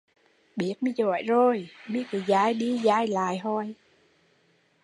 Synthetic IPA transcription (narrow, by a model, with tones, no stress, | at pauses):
ɓi˦˥ət̚mi˧˦zɔ̰˧˨jzo˨˩jɓi˦˥ət̚ːzaː˧jɗi˧zaː˧jla̰ː˧˨jɦɔ˧˩j